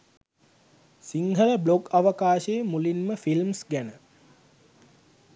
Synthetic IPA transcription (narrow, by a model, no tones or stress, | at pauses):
siŋɦələblokaʋəkaːʃeːmulinməfilmsɡænə